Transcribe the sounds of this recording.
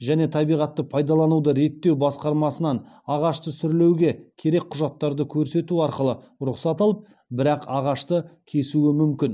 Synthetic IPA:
ʒæne̞t̪ʰɑbijʁɑt̪ːəpʰɑjd̪ɑlˠɑnud̪əɾe̞t̪ːe̞wbɑsqɑɾmɑsənɑn | ɑʁɑʃt̪əsʏɾle̞wɡʲe̞kʲʰe̞ɾe̞k̚qʰʊʒɑt̪ːɑɾd̪əkʲʰɵɾse̞t̪uɑɾqəlˠə | ɾʊqsɑt̪ɑlˠəp̚ | bɪɾɑqɑʁɑʃt̪əkʲʰe̞suɪmʏmkʲɪn

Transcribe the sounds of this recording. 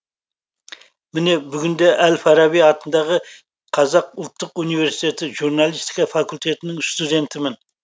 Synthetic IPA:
mɪne̞bʏɡʲɪnd̪eʔælfɑɾɑbijɑt̪ənd̪ɑʁə | qʰɑzɑqʊlˠt̪ːəqunijve̞ɾsi̥jt̪e̞t̪ɪʒuɾnɑlˠijst̪i̥kɑfɑkʊlʲt̪ʰe̞t̪ɪnɪŋst̪ud̪ʲe̞nt̪ɪmɪn

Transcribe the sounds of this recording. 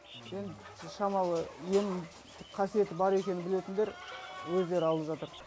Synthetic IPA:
en | ʃɑmɑlˠəje̞nʰ | qʰɑsije̞t̪ɪbɑɾe̞kʲenɪnbɪle̞t̪ɪnd̪e̞ɾwɵzd̪e̞ɾɪɑlˠəpʒɑt̪əɾ

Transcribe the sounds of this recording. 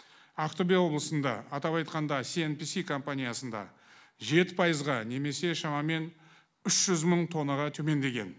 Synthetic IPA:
ɑqt̪obʲijawo̞blˠəsənd̪ɑ̰ːt̪ɑpɑjt̪̚qɑnd̪ɑsienpisikʰo̞mpanʲijasənd̪ɑ̰ | ʒe̞t̪ɪ̥pʰɑjəzʁɑne̞me̞se̞ʃɑmɑme̞n | ʏʃʒ̥ʏzməɴt̪ʰo̞nːəʁɑt̪ʰɵme̞nd̪e̞ɡʲe̞̰n

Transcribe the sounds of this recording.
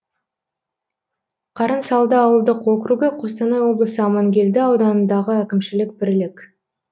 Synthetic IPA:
qʰɑɾənsɑlˠd̪əɑwəlˠd̪əqwo̞kɾuɡʲəqʰo̞st̪ɑnɑjwo̞blˠəsəɑmɑŋɡʲe̞ld̪ɪɑwd̪ɑnənd̪ɑʁəækʲɪmʃɪlɪkbɪɾlɪkʲ

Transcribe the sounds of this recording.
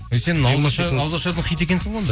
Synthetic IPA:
ese̞nɪŋɑwɑʃɑɑwzɑʃɑt̪əɴqʰijt̪̬e̞kʲesɪond̪ə

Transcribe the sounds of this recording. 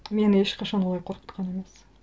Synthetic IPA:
me̞nɪeʃqɑʃɑnwolˠɑjqʰoɾqə̥t̪qʰɑne̞me̞s

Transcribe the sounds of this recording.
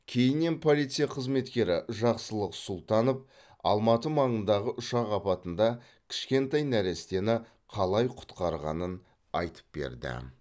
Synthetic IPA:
kʲʰe̞jɪnːe̞npʰo̞lijt̪sijaɑqʰəzme̞t̪kʲe̞ɾɪʒɑqsəlˠəqsʊlˠt̪ɑnəp̚ | ɑ̰lˠmɑt̪əmɑɴənd̪ɑʁəʔʊʃɑʁɑpɑt̪ənd̪ɑ | kʲʰɪ̥ʃkʲe̞nt̪ɑjnæɾe̞st̪e̞nɪ | qʰɑlˠɑjqʰʊ̥t̪qɑɾʁɑ̰nən | ɑ̰jt̪ə̥p̚bḛɾd̪ɪ̰

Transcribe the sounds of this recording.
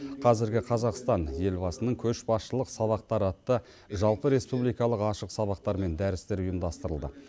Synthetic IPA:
qʰɑzɪɾɡʲɪqʰɑzɑqst̪ɑnje̞lbɑsənəɴkʲʰɵʃbɑsʃəlˠəqsɑβɑq̚t̪ɑɾəɑt̪ːə | ʒɑlˠpəɾe̞spublijkɑlˠəqɑʃəqsɑβɑq̚t̪ɑɾme̞nd̪æɾɪst̪e̞ɾʊjəmd̪ɑst̪əɾəlˠd̪ə̰

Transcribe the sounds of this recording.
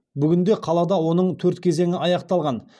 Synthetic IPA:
bʏɡʲɪnd̪eqʰɑlˠɑd̪ɑwo̞nəɴt̪ʰɵɾt̪kʲʰe̞ze̞ŋʲɪɑjɑqt̪ɑlˠʁɑn

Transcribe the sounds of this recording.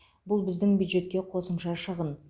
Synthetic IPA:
bʊlˠbɪzd̪ɪŋbʲjud̪ʒe̞t̪̚kʲe̞qʰo̞səmʃɑʃəʁən

